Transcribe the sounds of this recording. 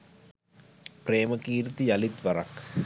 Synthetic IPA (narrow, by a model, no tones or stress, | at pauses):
pɾeːməkiːɾit̪ijɐlit̪ʋɐɾɐ̰k